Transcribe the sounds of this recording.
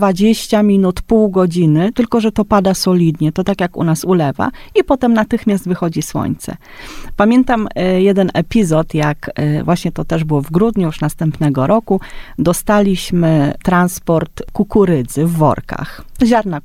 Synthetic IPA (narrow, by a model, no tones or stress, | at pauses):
vad͡ʑeɕt͡ɕamʲinut̪puwɡɔd͡ʑinɘt̪ɘlkɔʐɛt̪ɔpad̪asɔlʲid̪ɲɛt̪ɔt̪akjakṵnasulɛva̰ipɔt̪ɛmnat̪ɘxmʲjast̪vɘxɔd͡ʑiswɔ̰ɲt̪sɛ̰ | pamʲjɛnt̪amjɛd̪ɛnʔɛpʲizɔt̪jakvwaɕɲɛt̪ɔt̪ɛʐbɘwɔvɡɾud̪ɲujuʂnast̪ɛmpnɛɡɔɾɔkud̪ɔst̪alʲiɕmɘt̪ɾanspɔɾt̪kukuɾɘd̪zɘvːɔ̰ɾka̰xʑaɾna